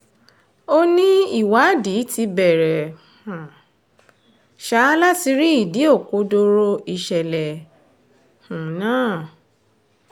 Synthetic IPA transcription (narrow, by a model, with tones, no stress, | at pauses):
o˦nĩ˦i˦˨wa˨˦di˨˦ti˧bɛ˨ɾɛ˨ | hã˨ | ʃa˨˦la˦ti˧ɾi˦i˦˨di˨˦o˦˨ko˨˦do˧ɾo˧˦i˧ʃɛ˨lɛ˨ | hũ˨nãː˦˨